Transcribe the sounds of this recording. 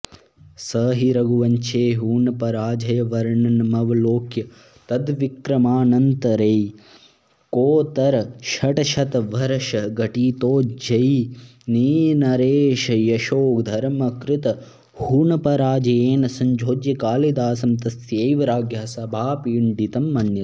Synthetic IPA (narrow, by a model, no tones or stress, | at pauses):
sɐːɦiɾɐɡuʋɐɲt͡ʃʰeːɦuːɳɐpɐɾaːd͡ʒɐjɐʋɐɾɐɳɐnmɐʋɐloːkjɐ | t̪ɐd̪ʋikɾɐmaːnɐnt̪ɐɾej | koːt̪ɐɾɐʃɐʈɐʃɐt̪ɐʋɐɾɐʃɐɡɐʈiːt̪oːd͡ʒɐjiniːnɐɾeːʃɐjɐʃoːkd̪ʱɐɾmɐkɾɪt̪ɐ | huːɳɐpɐɾaːd͡ʒɐjeːnɐsɐɲd͡ʒʱoːd͡ʒjɐkaːlid̪aːsɐmt̪ɐsjejʋɐɾaːɡjaːsɐbʱaːpiuɳɖit̪ɐmːɐnjɐ